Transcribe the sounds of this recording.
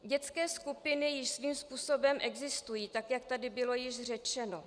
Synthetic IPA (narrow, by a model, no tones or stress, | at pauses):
ɟɛt͡skɛːskupɪnɪjɪʃsviːmspuːso̞bɛmʔɛɡzɪst̪ujiːt̪akjakt̪adɪbɪlo̞jɪʃr̝ɛt͡ʃɛno̞